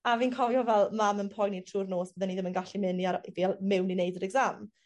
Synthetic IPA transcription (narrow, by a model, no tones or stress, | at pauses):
aviːnkʰɔvjɔvɛlˠmamənpʰɔjnitʰruːrnoːsb̥əðɛniðɪmənɡaɬimɪniaɾibialmɪwninejdəɾɛɡzam